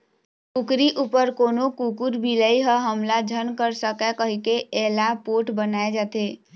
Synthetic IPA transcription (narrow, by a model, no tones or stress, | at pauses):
kukɾiʔupəɾkonokukuɾbiləiɦəɦəmlad͡ʒʱənkəɾsəkɛkəɦikeɛlapoʈbənaed͡ʒat̪e